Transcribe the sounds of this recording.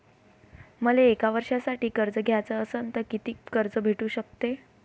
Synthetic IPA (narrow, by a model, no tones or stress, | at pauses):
məleːkaʋəɾʂasaʈiːkəɾd͡zəɡʱjat͡səəsənt̪əkit̪iːkəɾd͡zəbʱeʈuːɕək̚t̪e